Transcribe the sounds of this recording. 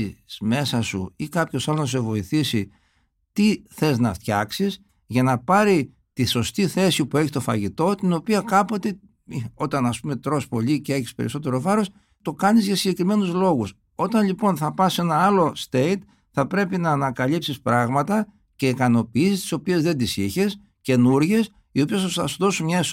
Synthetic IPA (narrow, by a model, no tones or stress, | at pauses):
z̥me̞sɐsṵikɐpço̞sɐlonɐs̬e̞vo̞iθisi | t̪iθe̞znɐ̰ft̪çɐksis | ʝɐnɐpɐɾi | t̪iso̞st̪iθe̞sipueçist̪o̞fɐ̰ʝit̪o̞t̪ino̞piɐkɐpo̞t̪e̞ | io̞t̪ɐnɐspume̞t̪ɾo̞spo̞licee̞çispe̞̰ɾḭso̞t̪e̞ɾo̞vɐɾo̞s | t̪o̞kɐnizʝɐsiɲɟe̞kɾime̞nuzlo̞ɣus | o̞t̪ɐnlipo̞nθɐpɐse̞nɐɐlo̞st̪e̞it̪ | θɐpɾe̞pinɐːnɐkɐlipsispɾɐɣmɐt̪ɐ | ce̞ikɐno̞piisist̪i̥so̞pie̞zðe̞nd̪isiçe̞s | ce̞nuɾʝe̞s | io̞piɐsɐsɐsuðo̞sumɲɐes